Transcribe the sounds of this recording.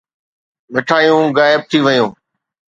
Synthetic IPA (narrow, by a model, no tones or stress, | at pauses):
ʋɪʈʰaːijũːɣaːɪb̚t̪ʰiʋəjũː